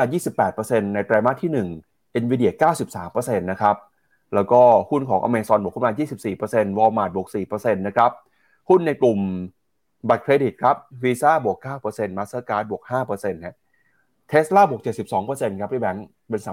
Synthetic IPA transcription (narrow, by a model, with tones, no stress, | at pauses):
aː˧jiː˥˩si˨˩pːɛː˨˩t̪̚pɤː˧se˧nːa˧jt̪ɾaː˧ma˦˥˩t̪ʰːiː˥˩nɯ˨˩ŋ | ʔe˧nwiː˧˦di˨˩əkaː˥˩wsi˨˩p̚saː˩˦mpɤː˧se˧nːa˦˥kʰɾa˦˥p̚ | lɛː˦˥wkɔː˥˩hu˥˩nkʰɔː˩˦ŋʔa̰˧meː˧sɔ˧nu˨˩k̚ʰu˥˩maː˧jiː˥˩si˨˩p̚siː˨˩pɤː˧se˧nwɔː˧maː˨˩t̪̚bu˨˩k̚siː˨˩pɤː˧se˧nːa˦˥kʰɾa˦˥p̚ | hu˥˩nːa˧jklu˨˩m | ba˨˩t̪̚kʰɾeː˧di˨˩t̪̚kʰa˦˥p̚wiː˧saː˥˩bu˨˩əkːaː˥˩wpɤː˧se˧nmaː˧˦˥saː˦˥˩kaː˦˥t̪̚bu˨˩ək̚haː˥˩pɤː˧se˧nna˦˥ | t̪ʰeː˦˥slaː˥˩bu˨˩ək̚t͡ɕe˨˩t̪̚si˨˩p̚sɔː˩˦ŋpɤː˧se˧nkʰa˦˥p̪̚ʰi˥˩bɛ˨˩˦ŋ | pe˧nsaː˩˦